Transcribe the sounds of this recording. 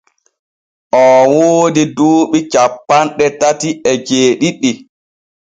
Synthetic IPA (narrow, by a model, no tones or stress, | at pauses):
ʔɔwoːdiduːɓit͡ʃapːanɗɛtatiɛd͡ʒeːɗiɗːi